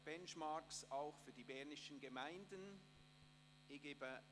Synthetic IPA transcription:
b̥ɛnʃmaksaʊxfyːɐdiːbɛʁnɪʃənɡemaɪndən | ʔeɡeːbə

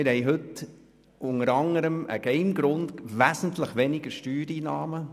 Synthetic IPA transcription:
ɪɾhɛɪɦɵt | ʔʊŋəɾɑŋəɾəmə̰ɡ̥ɛɪmɡɾʊndʋæsən̩tləχʋɛnɪɡəɾʃtyːɾiːnɑːmə

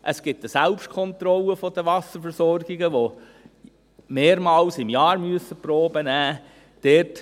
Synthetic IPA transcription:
ʔəsɡ̥ɪtːəsælpʃtkʰɔnt̪ɾɔlːəfɔd̥əʋɑsəɾfəɾsɔrɡ̥ɪɡəʋo | meːɾmɑːlsɪmjɑːɾmyəsəpɾoːbənæː | d̥ɛt

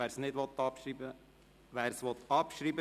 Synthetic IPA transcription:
æːɾsnɪd̪ʋɔt̪ɑpʃɾiːbə | ʋæːɾsʋɔt̪ɑpʃɾiːbə

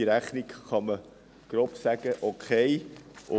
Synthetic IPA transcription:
iɾæχnikχɑmə | ɡ̥ɾopsæɡ̥əʔokʰeɪʔʊ

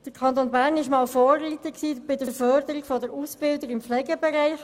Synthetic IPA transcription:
d̥əɾkʰɑnt̪oːnbæːɾnɪʃmɑːlfɔːrːiːt̪əksiːb̥ɪdəfœɾdəɾikfɔdəɾuːsbɪldəɾɪmpflɛɡəbɛɾaɪx

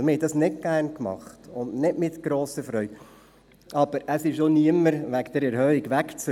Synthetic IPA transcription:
mɪɾhɛdɑsnɪt̚ɡ̥ærnkmɑ̰χtʊndnɪdmɪt̪ɡ̥ɾoːsəfɾœʏɡ̥ | ʔɑb̥əɾəsɪʃoniəməɾʋækd̥̪əɾɛɾhœikʋækt͡s

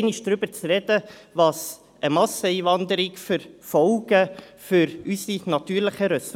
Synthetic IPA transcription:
ɪnɪʃd̥ɾʏbəɾt͡sɾɛd̥əʋɑs | ʔəmɑsəiːvɑnd̪əɾɪɡfʏɾfɔlɡ̥əfʏɾysinɑt̪yːɾləχəɾɛs

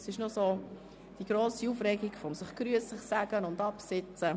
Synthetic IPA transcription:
sɪʃnʊsoː | d̥iɡ̥ɾoːsiufrɛɡiɡfɔmsɪχkɾyəslɪχsæɡ̥ənʊndɑpsɪt͡sə

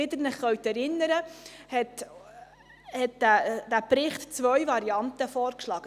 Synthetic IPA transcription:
ɪd̪əɾnəχχœwt̪ɛɾɪnːəɾəhɛt | hɛt̚dæd̥æbɾɪχtt͡sʋœɥvɑɾiɑnt̪əfɔːɾkʃlɑːɡ̥ə

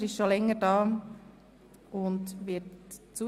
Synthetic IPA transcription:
ɾɪʃʃolɛŋːəɾdɑː | ʊndʋɪtt͡su

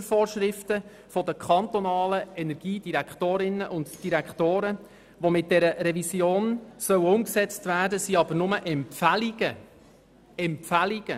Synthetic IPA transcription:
fɔːrʃɾɪftə | fɔdəkʰχɑnt̪ɔnɑːləɛnɛɾɡ̥iːd̥iɾækχtoːɾɪnəʔʊntd̥iɾækχtoːɾə | ʋomɪt̚d̥ɛɾəɾɛvisjoːnsœwəʊmksɛt͡stvæːrdəsiɑbənʊməʔɛmpfæliɡ̥ə | ɛmpfæliɡ̥ə

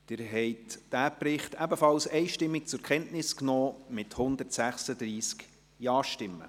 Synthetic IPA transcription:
d̪̥ɪɾɦɛjtd̥æːpɾɪχtæbəfɑlsɛɪʃtɪmːik̚t͡sʊɾkχɛntnɪsknɔːmɪthʊnd̪əɾtsæχsəd̪ɾiːsk | jɑːʃtɪmːə̰

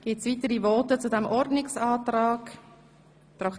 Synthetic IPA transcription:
ɡ̥ɪtsviːtəɾivɔːtət͡sudɛmʔɔɾdnɪksɑːtrɑːɡ | t̪ɾɑk

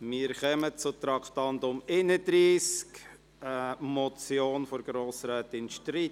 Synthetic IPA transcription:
mɪːəɾχœmət͡sʊt̪ɾɑkʰt̪ɑndʊmɪnədɾiːsk | əmɔt͡sjoːnfɔɾɡ̥ɾoːsɾaːt̪ɪnʃtɾit

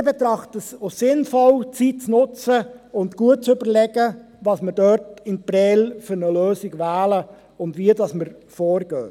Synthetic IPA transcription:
bɛtɾɑχtəsosɪnfɔlt͡sit̚t͡snʊt͡səʊntɡ̥uət̚t͡sʏbəɾlɛɡə | vɑːsməɾdœɾtɪnpɾɛːlfʏɾnəløːsɪɡʋæːlə | ʊndʋiədɑsməɾfoːɾɡ̥øː

